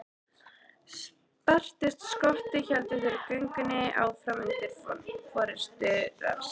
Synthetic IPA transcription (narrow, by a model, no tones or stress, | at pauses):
s | par̥t̪ɪst̪skɔht̪ɪçɛlt̪ɪfɪɾɪɾkʏŋkʏnːɪʔa̰wθɾamɪnt̪ɪfɔfɔɾɪ̥st̪ʏɾa̰s